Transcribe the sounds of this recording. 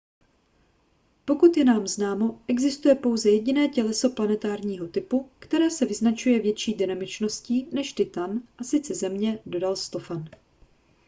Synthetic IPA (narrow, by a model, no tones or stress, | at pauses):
po̞kut̪jɛnaːmznaːmo̞ʔɛɡzɪst̪ujɛpo̞wzɛjɛɟɪnɛːcɛlɛso̞planɛt̪aːɾɲiːɦo̞t̪ɪpukt̪ɛɾɛːsɛvɪznat͡ʃujɛvjɛt͡ʃiːdɪnamɪt͡ʃno̞sciːnɛʃt̪ɪt̪anʔasɪt͡sɛzɛmɲɛdo̞dalst̪o̞fan